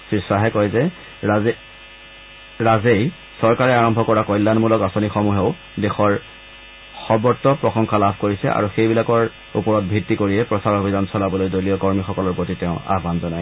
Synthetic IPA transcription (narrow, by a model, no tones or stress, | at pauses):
sɹisaɦɛkɔjzɛ | ɹazej | sɔɹkaɹɛaɹɔmbʱɔkɔɹakɔjlːanmulɔkasonixɔmuɦeʊ | dexɔɹ | xɔbɔɹtːɔpɹɔxɔŋkʰalabʱkoɹisɛ̰ʔa̰ɹuxejbilakɔɹ | ṵpɔɹɔt̚bʱɹitːikoɹijɛpɹɔsaɹobʱidansɔlabɔlojdojliɔkɔɹmixɔkɔlɔɹpotiteʊ̃a̰ɦbanzɔnaj